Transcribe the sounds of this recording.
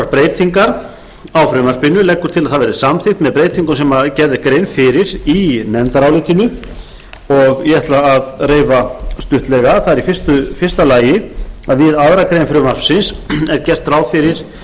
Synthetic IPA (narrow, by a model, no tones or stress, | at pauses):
aɾpɾeːjt̪iŋkaɾ | awfɾʏmar̥pɪnːʏlɛkːʏɾ̥t̪ʰɪlaðθaðvɛɾðɪsamθɪxt̪mɛðpɾejt̪iŋkʏnsɛmacɛɾðɪkɾeːjnfɪɾɪɾinɛnt̪aɾawlɪt̪inʏ | ɔɣjɛɛt̪laːðreːjvast̪ʏht̪lɛɣaθaðɛɾifɪ̥st̪ʏfɪr̥st̪alaːjɪaðvɪðaðɾakɾejnfɾʏmar̥fsɪnsɛɾcɛr̥t̪raːwðfɪɾɪɾ̥